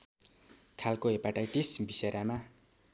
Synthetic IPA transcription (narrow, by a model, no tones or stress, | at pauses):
kʰalkoepaʈajʈisbiseɾama